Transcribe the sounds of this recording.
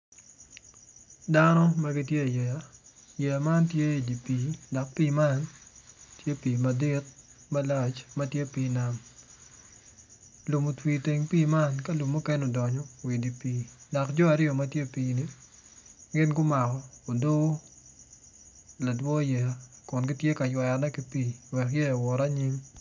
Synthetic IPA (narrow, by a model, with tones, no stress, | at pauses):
da˦nɔ˦ma˦ɡi˦tje˦˨jɛ˨ja˨ | jɛ˨a˨ma˦ntje˦i˨di˨piː˨dɔ˨k̚piː˦ma˦n | tje˦piː˨ma˨di˦t̚ma˦la˨t͡ʃmɐ˦tje˦piː˦na˦m | lu˨mu˨twi˨te˨ŋpiː˦ma˦nka˦lu˨mːu˦kɛ˦nɔ˨dɔ˨ɲɔ˨wi˨di˨piː˨da˨kd͡ʒɔ˦a˨ɾɪo˨mɐtje˦piː˨ni˦ | ɡɪ˦nɡʊ˦ma˨kɔː˨do˦ | la˨dwɔ˦jɛ˨kʊ˨nɡɪ˦tje˦ka˨jwa˨nɛ˦ki˦piː˦wɛ˨kjɛ˦a˨wɔ˨ɾa˦ɲɪ˦m